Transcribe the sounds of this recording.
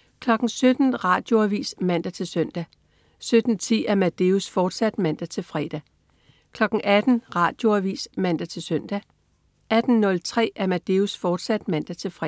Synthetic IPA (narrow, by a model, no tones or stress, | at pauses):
kʰlɒ̽ɡ̥ŋ̩sød̥n̩ʁɑ̰̈d̥jo̝æʋḭːsmæn̰d̥æt͡sʰe̝lsøn̰d̥æ | sød̥n̩t͡sʰḭːæɐmæd̥e̝usfɒːd̥sæd̥mæn̰d̥æt͡sʰe̝lfʁɛːd̥æ | kʰlɒ̽ɡ̥ŋ̩ʔæd̥n̩ʁɑ̈ːd̥jo̝æʋḭːsmæn̰d̥æt͡sʰe̝lsøn̰d̥æ | ʔæd̥n̩ːɔ̽lt͡sʰʁɛ̰ːʔæɐmæd̥eusfɒːd̥sæd̥mæn̰d̥æt͡sʰe̝lfʁɛ